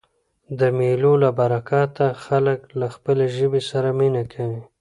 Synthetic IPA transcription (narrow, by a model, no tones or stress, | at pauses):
d̪əmelolabaɾakɑt̪axaləklaxpəleʒəbesaɾaminakʰawi